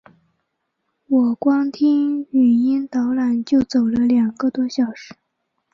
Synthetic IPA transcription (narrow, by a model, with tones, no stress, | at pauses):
wɔ˨˩kwɑ˥ŋt̪ʰi˥ŋy˨˩i˥nt̪ɑ˧˥ʊla˨˩nt͡ɕjo˥˩ʊt͡so˨˩ʊʈ͡ʂə˦ljɑ˨˩ŋɡə˧t̪wɔ˥ɕjɑ˨˩ʊʂɻ̩˧˥